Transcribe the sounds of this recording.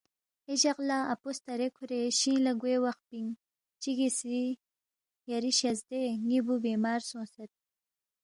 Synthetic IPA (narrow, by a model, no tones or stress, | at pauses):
ed͡ʒaqlaapost̪aɾekʰuɾeɕĩːlaɡweːwaxt̪̚piŋ | t͡ʃiɡisɾi | jaɾiɕazd̪eŋibubemɑːɾsõːset̪̚